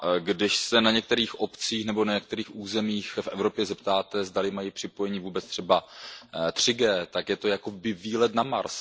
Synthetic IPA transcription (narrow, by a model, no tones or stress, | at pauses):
ɡdɪʃsɛnaɲɛk̚t̪ɛɾiːxʔo̞pt͡siːxnɛbo̞naɲɛk̚t̪ɛɾiːxʔuːzɛmiːxfʔɛvɾo̞pjɛzɛpt̪aːt̪ɛzdalɪmajipr̝̥ɪpo̞jɛɲiːvuːbɛt͡st̪r̝̥ɛba | t̪r̝̥ɪɡɛːt̪akjɛt̪o̞jako̞bɪviːlɛt̪nama̰ɾs